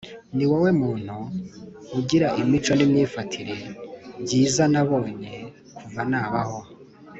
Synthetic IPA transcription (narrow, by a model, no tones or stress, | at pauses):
niwawe̞muːn̥huː | ɟiɾaʔimit͡ʃonimɲiːfatʰiɾe̞ɟiːzanaβo̞ːɲe̞ | kʰuvanaːβaho̞